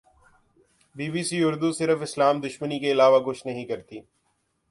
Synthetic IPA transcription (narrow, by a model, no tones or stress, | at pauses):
biːbisiʊɾd̪usɪɾəfɪslaːmd̪ʊʃmənikeɪlaːʋakʊʃʰnɐɦĩkɐɾt̪iː